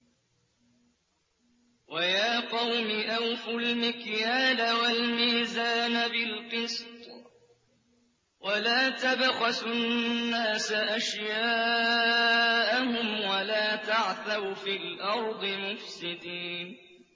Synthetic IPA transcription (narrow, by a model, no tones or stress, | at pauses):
wajaːqɑwmɪʔawfʊlmɪkjaːlawalmiːzaːnabɪlqɨst̪ˤ | walaːt̪abɣɑsʊnːaːsaʔaʃjaː | ʔahʊmwalaːt̪aʕθaɾfiːlʔɑɾˤd̪ˤɨmʊfsɪd̪iːnn